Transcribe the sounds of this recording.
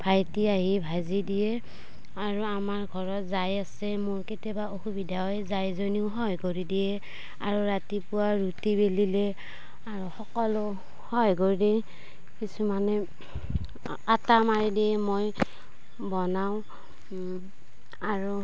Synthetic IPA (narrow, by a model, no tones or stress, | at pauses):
bʰʱajtiaɦibʱazidijɛ | aɹuamaɹɡʱɔɹɔtzajasɛmʊɹketjabaoxubidʱaɦɔjzajzoniʊɦɔjɡoɹidijɛ | a̰ɹuɹatipʊwaɹutibelilɛ | aɹuxɔkɔlʊ | hɔjɡoɹidɛ | kisumanɛ | atamaɹidiɛmoj | bɔnaʊ̃ | aɹu